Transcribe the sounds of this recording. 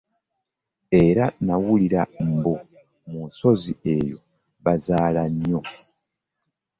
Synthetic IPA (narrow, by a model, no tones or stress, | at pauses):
e̞ɾanawuliɾam̩bo | muso̞ziejo̞̰ | βazaːlanjo